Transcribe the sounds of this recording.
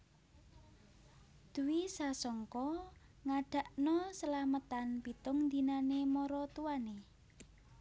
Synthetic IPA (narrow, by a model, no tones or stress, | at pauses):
d̪̥uwisasɔŋkɔ | ŋaɖ̥a̤ʔnɔsəlamət̪anpit̪ʊŋnd̪inanemɔɾɔt̪uwane